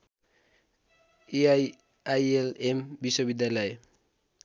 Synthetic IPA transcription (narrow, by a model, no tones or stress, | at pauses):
e | ajelembisobid̪jalʌe